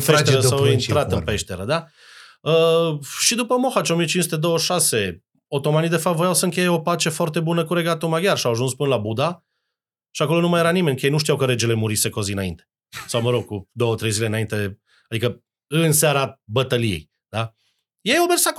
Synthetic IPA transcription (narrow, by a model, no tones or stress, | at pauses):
peʃt̪eɾəsawinɾat̪ɨpeʃt̪eɾəd̪a | əʃid̪upəmo̞xat͡ʃo̞mijet͡ʃinsut̪ed̪o̞wəʃase̞ | ot̪o̞manid̪e̞fap̚t̪vojawsəɨŋkʲe̞jeo̞pat͡ʃe̞foart̪e̞bunəkuɾe̞ɡat̪omaɡʲjarʃiawaʒunspɨnəlabud̪a | ʃiako̞lonumajeɾanimenʲkəjejnuʃt̪iawkəɾe̞d͡ʒe̞le̞muɾise̞kozinaint̪e | sawməɾo̞ɡ̚kud̪o̞wət̪ɾe̞jzile̞ɨnaint̪e̞ | ad̪ikə | ɨnseaɾabət̪əlijḛj | d̪a | jejawmersak